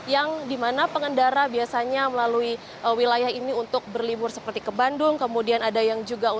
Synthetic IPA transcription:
jaŋdimanapəŋəndaɾabiasaɲaməlalui | ʔəwilajahiniunt̪ʊk̚bərlibʊrsəpərt̪ikəbandʊŋkəmudianadajaŋd͡ʒuɡau

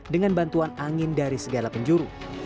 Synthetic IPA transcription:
dəŋanbant̪uanaŋɪndaɾisəɡalapəɲd͡ʒuɾu

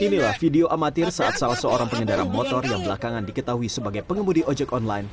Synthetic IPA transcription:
inilahfideoʔamat̪ɪrsaʔa̰t̪̚salasəoɾaŋpəŋədaɾa̰nmɔt̪ɔrjaŋbəlakaŋandikət̪aɦuisəbaɡajpəŋəmudiʔɔd͡ʒɛkɔnlajn

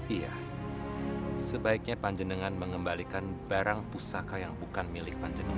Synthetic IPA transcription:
ija̰ | səbaik̚ɲapaɲd͡ʒənəŋanməŋəmbalikanbaɾaŋpusakajaŋbukanmilɪk̚paɲd͡ʒənəŋ

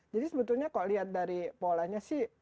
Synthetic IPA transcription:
d͡ʒadisəbət̪ulɲakaloʔliɦat̪̚daɾipolahɲasɪh

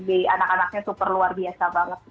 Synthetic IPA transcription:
bianakanak̚ɲasupərluarbiasabaŋət̪̚

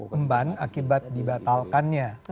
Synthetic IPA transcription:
mbanakibat̪̚dibat̪alkanjɲa

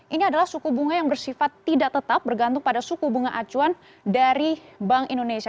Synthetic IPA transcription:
ʔiniadalahsukubuŋajaŋbərsifat̪ːidakt̪ət̪ap̚bərɡant̪ʊŋpadasukubuŋaʔat͡ʃuan | daɾibaŋindonesia

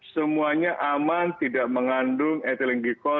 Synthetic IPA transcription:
səmuaɲaʔamant̪idaʔməŋandʊŋɛt̪ilɛŋɡikɔ

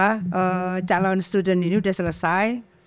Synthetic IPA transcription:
aʔəd͡ʒalɔnst̪udəniniudasələsaj

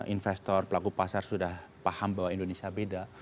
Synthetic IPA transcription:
ʔinfɛst̪ɔrpəlakupasarsudahpahambawaindonesiabeda

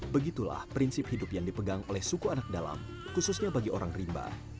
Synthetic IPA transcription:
bəɡit̪ula̰hpɾinsɪp̚hidʊpjaŋdipəɡaŋolɛhsukuanak̚dala̰m | kususɲabaɡioɾaŋrimba̰

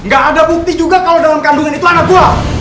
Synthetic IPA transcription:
ŋɡaʔːdabuk̚t̪ɪhd͡ʒuɡakalawdalamkanduŋanit̪uanak̚d̪ua

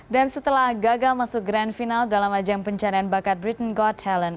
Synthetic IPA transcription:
dansət̪əlahɡaɡalmasʊk̚ɡɾandfinaldalamad͡ʒampəɲt͡ʃaɾianbakat̪̚bɾit̪ənɡɔtʰɛlən

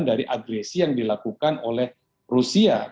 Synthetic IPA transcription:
ndaɾiʔaɡɾɛsijaŋdilakukanolɛh | rusia

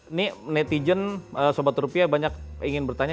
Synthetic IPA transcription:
ninɛt̪id͡ʒənəsobat̪rupiabaɲak̚iŋɪnbərt̪aɲa

